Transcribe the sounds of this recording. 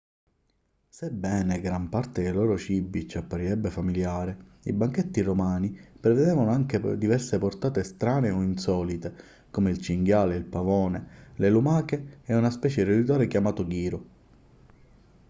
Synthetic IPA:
sebːɛːneɡɾampart̪ed̪elɔːɾot͡ʃibːit͡ʃapːaɾiɾɛbːefamiljaːɾe | ḭbaŋk̟et̪ːiromaːnipɾeved̪ɛːvanoaŋked̪ivɛrseport̪aːt̪est̪ɾaːneɔinsɔːlit̪e | komeilt͡ʃiŋɡjaːleilpavɔːnelelumaːkeɛunaspɛːt͡ʃeɾed̪it̪aːɾekjamaːt̪oɡiːɾo

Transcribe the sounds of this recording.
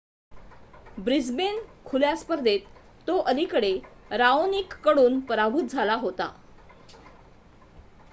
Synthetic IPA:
bɾid͡zbenkʰuljaspəɾd̪et̪ː | oʔəlikəɽeɾaoniːkːəɽuːnpəɾabʱut̪̚d͡zʱalaɦot̪a̰

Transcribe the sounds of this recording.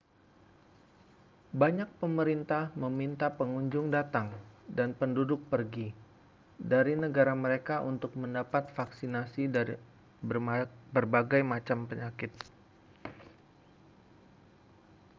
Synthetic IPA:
baɲak̚pəməɾint̪ahməmint̪apəŋuɲd͡ʒʊŋdat̪aŋdanpəndudʊk̚pərɡi | daɾinəɡaɾaməɾekaʔunt̪ʊk̚məndapat̪̚faksinasi | bərbaɡajmat͡ʃampəɲakɪt̪̚

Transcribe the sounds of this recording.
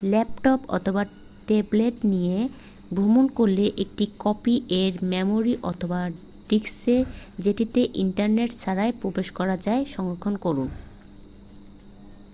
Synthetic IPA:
lɛpʈopɔ̰t̪ʰoba | ʈebleʈnije | bɾomonkoɾleʔek̚ʈikɔpiʔeɾmɛmoɾiʔɔt̪ʰoba | ɖiksed͡ʑeʈit̪eʔiɳʈaɾneʈt͡ɕʰaɾaepɾobeʃkɔɾad͡ʑaeʃɔŋɾokʰːonkoɾun

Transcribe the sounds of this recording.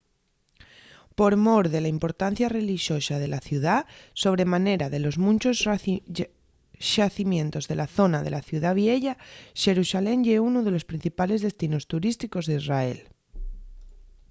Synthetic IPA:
po̞ɾmoɾðe̞laimpo̞ɾt̪an̟θjare̞liʃjo̞sað̞e̞laθjuðaso̞β̞ɾe̞mane̞ɾaðe̞lo̞zmũnt͡ʃos | ʃaθimjẽ̞nt̪o̞zðe̞laθo̞nað̞e̞̰laθjuðaβ̞je̞ʎaʃe̞ɾusale̞ŋʎeunoðe̞lo̞spɾin̟θipale̞zð̞e̞st̪ino̞st̪uɾist̪iko̞zðeizrae̞̰l

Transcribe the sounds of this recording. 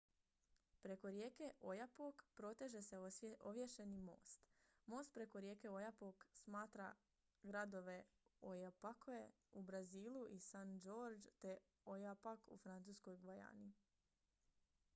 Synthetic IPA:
pɾe̞ko̞ɾje̞ːke̞ʔo̞japokpɾo̞t̪e̞ʒe̞se̞ʔoʋjeʃe̞nimo̰ːst̪mo̞ːst̪̚pɾe̞ko̞ɾje̞ːke̞o̞japoksmaːt̪ɾa̰ | ɡɾad̪o̞ʋe̞ojapakʰoe | ubɾaziːlˠuʔisand͡ʒo̞ːɾd͡ʒt̪e̞ | ojapakṵfɾant̪suːsko̞jɡʋaja̰ːni

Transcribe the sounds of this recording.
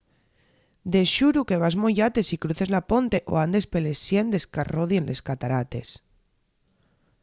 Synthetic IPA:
d̪eʃuɾuke̞β̞azmojat̪e̞sikɾuθe̞zlapont̪e̞ʔo̰and̪e̞spelesjend̪e̞skaroðjenle̞skat̪aɾat̪e̞s

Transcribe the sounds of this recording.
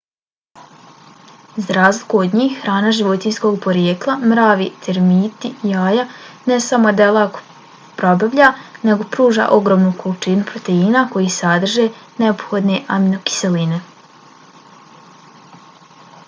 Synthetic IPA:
zaɾaːzlikuod̪ɲiːxhɾaːnaʒiʋo̞t̪insko̞ɡpo̞ɾjeːklˠamɾaːʋit̪ʰeɾmiːt̪ijaːjanesamo̞d̪elˠaːko̥ | pɾo̞baʋʎane̞ɡo̞pɾuːʒa̰ːʔo̞ɡɾo̞ːmnukolˠit͡ʃinupɾo̞t̪e̞inako̞jisad̪r̩ʒe̞neopxo̞d̪ne̞ʔaminoki̥se̞line̞

